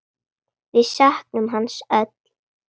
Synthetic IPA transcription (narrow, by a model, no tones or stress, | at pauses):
vɪðsahknʏmɦanːsœt̪l̥